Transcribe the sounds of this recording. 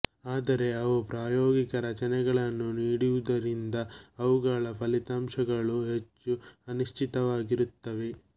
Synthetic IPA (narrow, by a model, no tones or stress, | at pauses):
aːd̪ɐɾe̞ɐʋupɾaːjoːɡikɐɾɐt͡ʃɐnɛɡɐɭɐnːuniːɽiʋud̪ɐɾind̪ɐːʋuɡɐɭɐpʰɐlit̪aːmʃɐɡɐɭuɦe̞t͡ʃːuɐniʃʈʰit̪ɐʋaːɡiɾut̪ːɐʋe̞